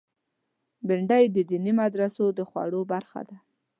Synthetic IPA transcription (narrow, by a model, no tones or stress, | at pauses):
bɪɳɖajd̪əd̪inimad̪ɾasod̪əxwa̰ɽobaɾxa̰d̪a